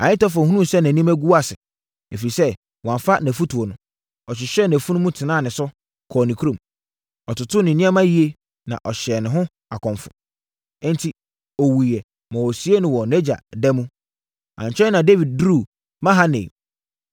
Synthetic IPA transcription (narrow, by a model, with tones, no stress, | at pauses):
ã̰˨ɪ̃˦tɔ˦fhũ˦ũ˦˨sɛ˦næ̃˨nĩ˦mæ˦ɡu˦wa˦˨sɪ˨ | e˨fi˨ɾi˨sɛ˦ | wɔ˨ã˨fa˦næ˨fu˦tʰu˨o˨nʊ̃˨ | ɔ˨ɕ̬ɪ˨ɕɛ˦˨næ˨fu˦nʊ̃˦mũ˦tʰɪ˨nãː˦˨nɪ̃˨sʊ˦ | kʰɔː˨nɪ̃˨kʰu˦ɾõ˨m | ɔ˨tʊ˨tʰʊ˦nɪ̃˨nĩ˦a˦mã˦ji˨˦e˦ | nã̰˨ʔɔ˨ɕɛ˨nɪ̃˨ɦʊ̃˦ | a˨kʰɔ̃˨ɱfʊ̰̃˨˦ | n˦tʰi˨ | ɔ˨wu˨ɛ˨ | mã˨wɔ˨si˦e˦nʊ̃˨wɔ˨nɛ˦d͡ʑa˨dɛ˦mũ˦ | ã̰˨ɲ˨t͡ɕʰᶣɛ˦nã˨de˦vi˨d̚dɾu˦˨ | mã˦ɦa˦nḛ̃˨